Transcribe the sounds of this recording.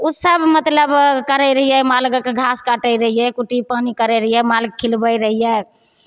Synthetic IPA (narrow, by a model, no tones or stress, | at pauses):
usəbmət̪ləbkəɾɛɾəɦijɛmalɡəkɡʱaskaʈəjɾəɦijɛkuʈipanikəɾɛɾəɦijɛmalɡ̚kʰːilbəjɾəɦijɛ